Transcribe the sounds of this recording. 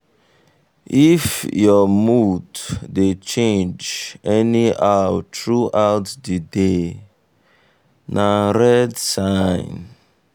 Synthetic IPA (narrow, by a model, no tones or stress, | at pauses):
ifjɔmuddet͡ʃẽnd͡ʒɛniʔawtɹuʔawtdide | nʔaɾɛdsaɪ̃n